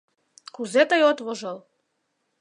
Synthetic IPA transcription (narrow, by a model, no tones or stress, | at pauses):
kuzet̪əjot̪βoʒɤl